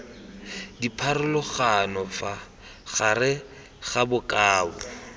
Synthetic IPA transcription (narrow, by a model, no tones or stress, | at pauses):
dipʰarʊlʊχanɔfa | χarɪ | ɣabʊkʼaːbʊ̰